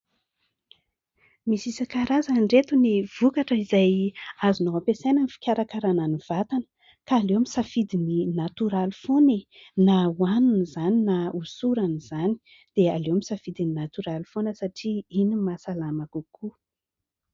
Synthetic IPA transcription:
misisakaɾazaɖ͡ʐet̪univ̥ukaʈ͡ʂəizajazunoapesejnanifi̥kʲaɾakaɾananiv̥at̪anə̥ | kaːlewamisafid̪ininat̪uɾalifonenawanunizaninausuɾaniz̥ani̥ | d̪̥ealewamisafid̪ininat̪yɾalifonəsaʈ͡ʂiinimasalamakukʰu

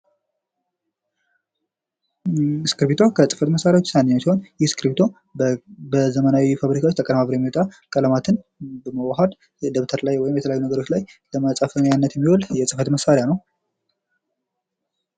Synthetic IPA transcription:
skɨɾbit̪ʰo̞kʰəsʼɨ̥fət̪məsːaɾjawot͡ʃːsanːiɲːɛmsiho̞njɪhskɨɾbit̪ʰo̞ | bəzəmənawifaβɾikʰawot͡ʃːt̪əkʼəlmaβɾojɛmːiwot̪ʼakʼələmat̪ʰɨn | bəməwaɦad̪ | d̪əβt̪ʰəɾlajwɔjɪmjɛt̪ʰəjajːunəɡəɾot͡ʃlajləməsʼafənjanːət̪jɛmːiwoljɛsʼɨfət̪məsaɾejanəw

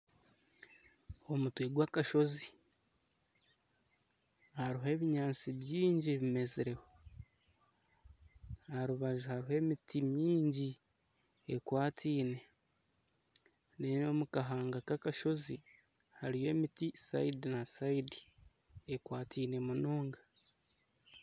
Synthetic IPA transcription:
o̞mutweɡwakaʃo̞zi | haɾiɦe̞ːβiɲaːnt͡siβjiːɲɟiβime̞zeɾe̞ho | haɾuβaʒuhaɾiɦe̞ːmitʰimjiːɲɟi | ekwaːtʰiːne̞ | neno̞mukaɦaːŋɡakakaʃo̞zi | haɾije̞ːmitisa̰idinasaidi | ekwaːtʰiːne̞munoːŋɡa

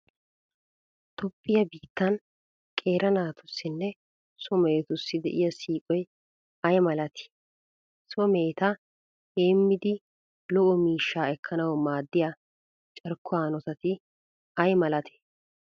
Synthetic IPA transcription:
t̪ɔpʼːɪjɐbiːt̪ːɐn | kʼeːɾɐnaːt̪ʊsːɪnːɛ | sɔmeːt̪ʊsːɪd̪ɛ̰ʔɪjɐsiːkʼɔj | ɐjmɐlɐt̪ʰɪ̥ | sɔmeːt̪ɐ | heːmːɪd̪ɪ | lɔʔɔmiːʃːaːɛkʰːɐnɐwmaːd̪ːɪjɐ | t͡ʃʼɐɾkʰːʊaːnɔt̪ɐt̪ɪ | ɐjmɐlɐt̪ʰɛ̥

